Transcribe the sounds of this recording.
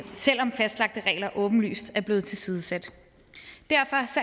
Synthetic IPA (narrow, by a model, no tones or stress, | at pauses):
sel̰ɒ̽mfæsd̥lɑ̈ɡ̥̚d̥əʁɛ̰ːɪlɐʔɔ̽ːb̥n̩ly̰ːsd̥æɐb̥le̝ːð̞̩ˠt͡sʰe̝lsiːð̞ˠəsæd̥ | d̥æɐ̰fɒ̽sɒ